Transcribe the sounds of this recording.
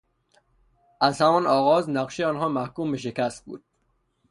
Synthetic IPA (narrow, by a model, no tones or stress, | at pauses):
ʔæzhæmɒnɒːɣɒːznæqʃeɒːnɦɒːmæhkuːmbeʃ̬ekæst̪̚bṵːd̪̥̚